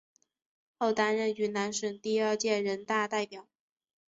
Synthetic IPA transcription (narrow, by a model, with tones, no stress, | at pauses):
xo˥˩ʊt̪a˥nɻə˥˩ny˧˥na˧˥nʂə˧˥nt̪i˥˧ə˞˥˧t͡ɕjɛ˥˩ɻə˧˥nt̪a˥˧t̪a˥˩ɪpjɑ˨˩˦ʊ